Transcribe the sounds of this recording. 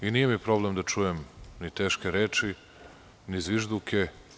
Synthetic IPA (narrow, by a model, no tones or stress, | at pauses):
inijemipɾo̞blemd̪at͡ʃujemnit̪eːʃkeɾeːt͡ʃi | nizʋiʒd̪ukʰe